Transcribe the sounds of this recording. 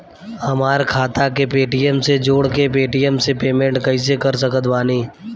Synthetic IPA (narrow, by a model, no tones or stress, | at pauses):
hɐmaːɾkʰaːt̪akepeːʈijəmsed͡ʒoːɽkepeːʈijəmsepeːmẽɳʈkəɪ̃s̬ekɐɾs̬əkət̪ʋaːniː